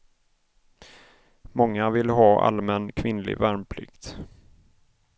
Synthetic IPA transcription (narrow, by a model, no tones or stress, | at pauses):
mɔŋːavɪlɦɑːʔa̰lmɛnkʰvɪnlɪ̰ɡvæɾmpʰlʏ̰kt̪